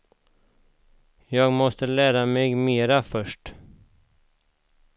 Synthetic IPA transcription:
jɑːɡmɔst̪əlæːɾamɛɡmeːɾafœʂʈ

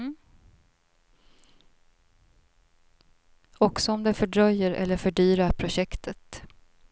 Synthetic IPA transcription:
ɔksɔɔmd̪ɛfœɖɾœjːəɾʔɛ̰lːəɾfœɖyːɾaɾpʰɾʊɕɛkt̪ʰət̪

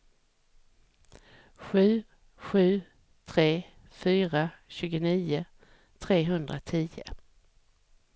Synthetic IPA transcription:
ɧʉ̟ː | ɧʉ̟ː | t̪ʰɾeː | fyːɾaɕʉ̟ːɡʊniːʊ | t̪ʰɾeːɦɵnd̪ɾat̪ʰiːjə̰

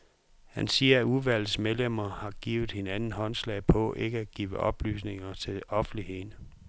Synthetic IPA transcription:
hænsiːɐæuʋæl̰smeðˠlem̰ɐhɑ̈ɡ̥ḭːʊð̞̩ˠhe̝nænn̩ɦɒ̽nslɛɪpʰɒ̽ʔe̝ɡ̥əæ̥ɡ̥iːʊʋəʔɒ̽b̥ly̰ːs̬ne̝ŋɐt͡sʰe̝lɒ̽fn̩lihe̝ðˠnə

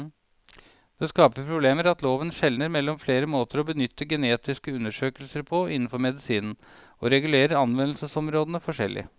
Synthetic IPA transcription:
d̪̥ɛskɑːpəpʰɾʊbleːməɾɑt̪loːʋənʂɛlnəɾmɛlːɔmfleːɾəmoːt̪ʰəɾɔbənʏt̪ːəɡɛneːt̪ɪskəʉnːəʂøːkəlsəɾpʰɔɪnːn̩fɔɾmɛd̪ɪsiːnn̩ | ɔɾɛɡʉleːɾəɑnʋɛnlsəsɔmɾoːd̪ənəfɔʂɛlːʔɪ̰ə

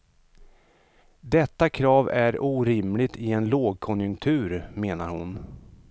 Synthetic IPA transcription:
d̪ɛt̪ːakʰɾɑːvæɾuːɾɪmlɪt̪ʰɪɛnloːɡ̚kʰɔnjɵŋkt̪ʰʉ̟ːɾmeːnaɾhʊ̰n

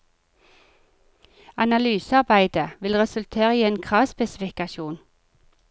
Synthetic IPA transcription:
ɑnɑlyːsɑʁbæɪd̪əʋɪlʁɛsʉlt̪ʰeːʁəiːeːnkʰʁɑːʋspɛsɪfɪkɑʃuːn

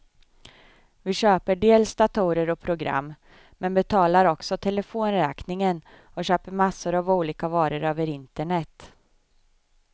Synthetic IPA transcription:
vɪɕøːpəɖeːlsd̪at̪ʰuːɾəɾɔpʰɾʊɡɾa̰mː | mɛnbɛt̪ʰɑːlaɾɔksɔt̪ʰɛlɛfoːnɾɛːknɪŋən | ɔɕøːpəɾmasːʊɾavuːliːkavɑːɾəɾøːvəɾɪnt̪əɳɛt̪ː

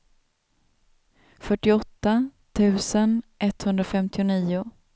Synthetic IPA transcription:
fœʈːɪɔt̪ːat̪ʰʉ̟ːsənʔɛt̪hɵnd̪ɾafɛmt̪ɪʊniːʊ

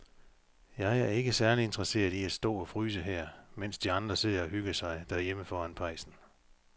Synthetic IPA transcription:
jɑ̈ɪæɐe̝ɡ̥əsæɐlie̝nd̥ʁɐse̝̰ːɐðˠiæsd̥ɔ̰̽ːɒ̽fʁyːs̬əɦɛɐ̰men̰sd̥iɑ̈nd̥ʁɐse̝ð̰ˠɐɒɦyɡ̥ɐsɑ̈ɪd̥ææɐjeməfɒːænpʰɑ̈ɪsn̩

